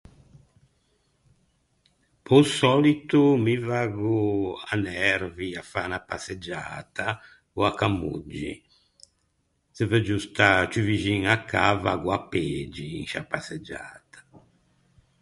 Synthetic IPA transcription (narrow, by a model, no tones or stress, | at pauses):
pɔsɔlit̪umivaɡuanɛɾviafanapased͡ʒa̰ːt̪ʰa | oakamːṵd͡ʒːḭ | sɛvɛd͡ʒust̪at͡ʃuviʒiŋakʰːavaɡuapeːd͡ʒiḭŋʃa̰pased͡ʒa̰ːt̪ḁ